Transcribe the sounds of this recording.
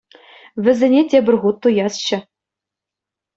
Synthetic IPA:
ʋʲɘ̆zʲɘ̆nʲetʲebʲɘ̆rʲʁut̪ːujɑsɕɘ̆

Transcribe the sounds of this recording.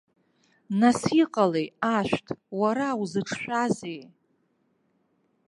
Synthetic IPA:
nasiqʼalejaʃᶣʷtʰwaɾawzɨʈ͡ʂʰʃʷᶣazej

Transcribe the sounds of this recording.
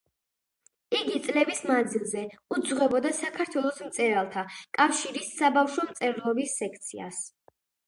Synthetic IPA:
iɡit̪sʼlɛbismand̪zilˠzɛud̪zʁɛbɔd̪asakʰaɾt̪ʰwɛlˠɔsmt̪sʼɛɾalˠt̪ʰakʼafʃiɾisːabafʃɔmt̪sʼɛɾlˠɔbisːɛkʰt̪sʰia̰s

